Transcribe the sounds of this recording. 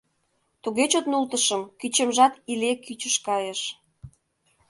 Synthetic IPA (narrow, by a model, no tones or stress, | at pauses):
t̪uɣet͡ɕot̪nult̪əʃəmkyt͡ɕə̆mʒɑt̪ilekyt͡ɕə̆ʃkɑjeʃ